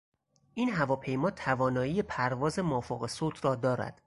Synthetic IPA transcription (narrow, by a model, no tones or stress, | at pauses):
ʔiːnɦævɒːpʰe̞jmɒːt̪ʰævɒːnɒːjiːjepʰæɾvɒːze̞mɒːfoɣesoːt̪ʰrɒːd̪ɒːɾæ̰d̪̥